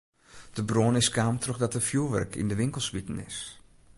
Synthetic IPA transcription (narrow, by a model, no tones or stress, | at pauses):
d̥əbroənɪskaːmtʰroxdɔtəfjuʋɛ̰rkʰḭndəʋɪŋkəlˠsʋitn̩ɪ̰s